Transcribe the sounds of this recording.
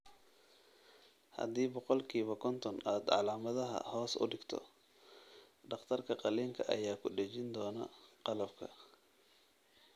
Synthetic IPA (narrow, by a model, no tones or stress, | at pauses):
hɐ̰d̪iːbɔqɔlkʰiːβɐkʰɔnt̪ʰɔnaːd̪ʕɑ̰laːmɐðɐɦɐ̰hɔːsʊ̰ɖɪɡt̪ʰɔ̰ | ɖɑqt̪ʰɐrkʰɐqɑliːŋkʰɐʔɐ̰jaːkʰʊɖɛt͡ʃɪnd̪ɔːnɐ̰qɑlɐb̚kʰɐ̰